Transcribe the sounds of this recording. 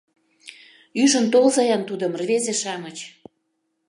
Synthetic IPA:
yʒə̆nt̪olzɑjɑnt̪ud̪əmrvezeʃɑmət͡ɕ

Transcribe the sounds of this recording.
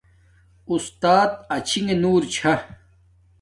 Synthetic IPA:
ust̪aːt̪̚ɐt͡ɕʰiŋenuːɾt͡ɕʰɐ

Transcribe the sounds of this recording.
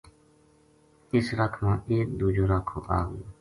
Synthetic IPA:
ɪsɾəkʰmãːʔeːkd̪uːd͡ʒoːɾakʰo̰ːʔaːɡəjoː

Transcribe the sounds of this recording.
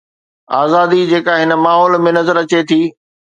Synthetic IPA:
aːzaːd̪id͡ʑeːkaɦɪnə̆maːɦɔːlmẽnɐzəɾɐt͡ɕet̪ʰiː

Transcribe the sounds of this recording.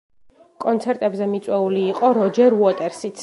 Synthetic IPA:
kʼɔnt̪sʰɛɾt̪ʼɛbzɛmit̪sʼwɛuliːqʼɔɾɔd͡ʒɛɾuɔt̪ʼɛɾsit̪sʰ

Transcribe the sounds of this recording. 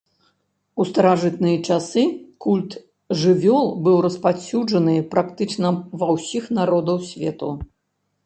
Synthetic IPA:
ust̪ɐɾaʐɨt̪nɨjɐt͡ʂasɨkulʲt̪ | ʐɨvʲɔlˠbɨwrɐspasʲud͡ʐɐnɨpɾʔakt̪ɨt͡ʂnɐvɐwsʲixnaɾɔd̪ɐwsʲvʲɛt̪u

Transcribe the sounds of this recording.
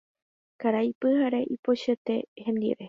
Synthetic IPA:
kaɾajpɨhaɾeʔipoʃet̪e̞hẽ̞nd̪ḭɾe̞

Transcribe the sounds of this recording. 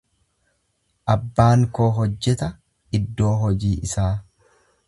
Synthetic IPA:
ʔɐbːaːŋkoːɦɔd͡ʒːɛt̪ɐ | ɪd̪ːo̞ːɦɔd͡ʒiːʔɪsaː

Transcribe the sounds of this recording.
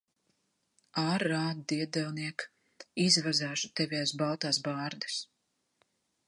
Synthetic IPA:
aːɾːaːd̪d̪iɛd̪ɛlˠniɛk | izvazaːʃu̥t̪ɛvʲiaːsbalˠt̪aːsbaːɾd̪ɨ̥s

